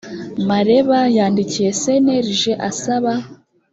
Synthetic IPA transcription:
maɾe̞βajaːndicije̞se̞neɾiʒe̞ʔasaβa

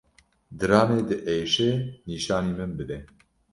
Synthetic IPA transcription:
d̪ɨɾɑːneːd̪ɨʔejʃeːniːʃɑːniːmɨnbɨd̪ɛ

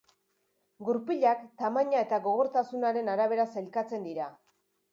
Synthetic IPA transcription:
ɡuɾpiʎakt̪amaɲae̞t̪aɣo̞ɣ̞o̞ɾt̪asunaɾe̞naɾaβ̞e̞ɾaselkat͡se̞nd̪iɾa

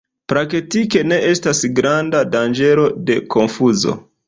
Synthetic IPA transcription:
pɾaketike̞ne̞ʔe̞stasɡɾandadand͡ʒe̞ɾo̞de̞kʰo̞nfuzo̞̰

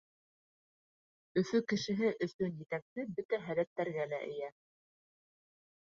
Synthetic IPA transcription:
ɵ̆θɵkɘ̆ʃɘ̆ɦɘʔɵ̆θɵnjɘ̆t̪æksɘbɘt̪æɦælæt̪ːæɾɡælæʔɘ̆jæ

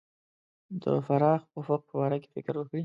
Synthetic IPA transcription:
d̪ə̰faɾɑxofʊq̚pəwɑɾake̥fɪ̰kɾwəkɽi

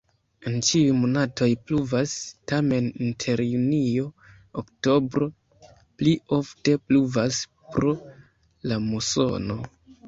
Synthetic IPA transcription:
ent͡ʃiujmonatʰo̞jpluvastame̞nintʰe̞ɾjunio̞ | okto̞bɾo̞ | plio̞fte̞pluvas | pɾo | lamuso̞̰no̞

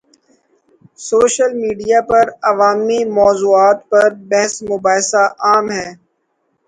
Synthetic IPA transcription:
soːʃəlmiːɖijapɐɾɐʋaːmimɔːzuːaːt̪pɐɾbɛɦsmʊbaːɦɪsaʔaːmɦɛː

